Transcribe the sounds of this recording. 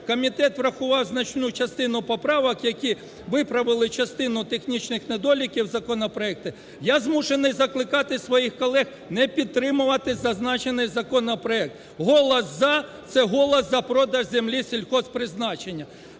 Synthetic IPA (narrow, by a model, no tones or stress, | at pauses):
kɔmʲit̪ɛt̪ʋɾɐxʊʋɑwznɐt͡ʃnut͡ʃɐst̪ɪnʊpɔpɾɑʋɐkjɐkʲi | ʋɪpɾɐʋɪlˠɪt͡ʃɐst̪ɪnʊt̪exnʲit͡ʃnɪxned̪ɔlʲikʲiwzɐkɔnɐpɾɔɛk̚t̪ɪ | jazmuʃenɪjzɐklˠɪkɑt̪ɪsʋɔjixkɔlˠɛx | nɛpʲid̪̚t̪ːɾɪmʊʋɐt̪ɪzɐznɑt͡ʃenɪjzɐkɔnɐpɾɔɛk̚t̪ | ɦɔlˠɐszɑt̪sɛɦɔlˠɐszɐpɾɔd̪ɐʒzemlʲisʲilʲxɔspɾɪznɑt͡ʃenʲːɐ